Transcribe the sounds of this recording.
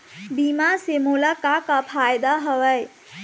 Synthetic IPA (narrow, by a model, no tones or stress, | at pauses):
bimasemolakakapʰajd̪aɦəwəj